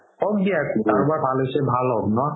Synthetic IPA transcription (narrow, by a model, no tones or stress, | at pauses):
ɔk̚diakit̪aɹbaɹpʰalesɛbʱalɔɡnɔ